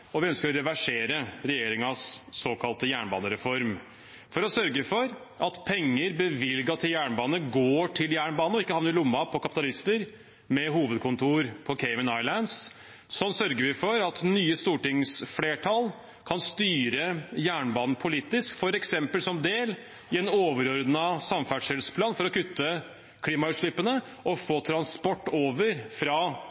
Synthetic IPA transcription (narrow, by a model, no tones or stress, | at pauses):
ɔʋɪœnskəɾɔɾɛʋæʂeːɾəɾɛjeːɾɪŋɑsːoːkʰɑlt̪əjæːɳbɑ̰ːnəɾɛfɔɾm | fɔɾɔsœɾɡəfɔɾ | ʔɑt̪pʰɛŋːəɾbəʋɪlɡɑt̪ʰɪljæːɳbɑːnəɡoːʈʰɪljæːɳbɑːnɔɪkːəhɑːʋnəɾɪlʊmːɑpʰɔkʰɑpɪt̪ɑlɪst̪əɾ | mɛɦuːʋəd̪̚kʰʊnt̪ʰuːɾpʰɔkʰɛɪʋɪnɑɪlæns | sɔnːsœɾɡəɾʋɪfɔɾɑt̪nyːəst̪uːʈɪŋsfleːʈʰɑl | kʰɑnst̪yːɾəjæːɳbɑːnn̩pʰʊliːt̪ɪskfɔɾɛksɛmpəlsɔmd̪eːl | ɪɛnoːʋəɾɔɾd̪nɑsɑmfæɖʂɛlspʰlɑːnfɔɾɔkʉt̪ʰːə | kʰliːmɑʉːt̪ʂɭɪpːənə | ʔɔfoːt̪ʰɾɑnspɔʈːoːʋəɾfɾɑ